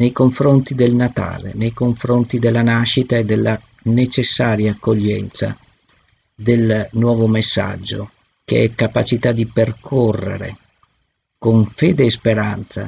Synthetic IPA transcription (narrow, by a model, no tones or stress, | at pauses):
nejkoɱfɾont̪id̪elnat̪a̰ːlḛnejkoɱfɾont̪id̪elːanaʃːit̪aed̪ːelːa | net͡ʃesːaːɾjaːkːoʎːɛ̰nt̪sa̰ | d̪elnwɔːvomesːa̰d͡ʒːo̰ | kḛɛkːapat͡ʃit̪ad̪iperkʰorːḛɾḛ | koɱfeːd̪eːspeɾant̪sa̰